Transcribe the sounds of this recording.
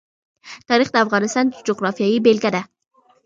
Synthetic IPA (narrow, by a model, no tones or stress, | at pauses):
t̪ʰɒɾɪχd̪aːfʁɑnɪst̪ɒnd͡ʒoɡɾɑfijajibelɡʲad̪a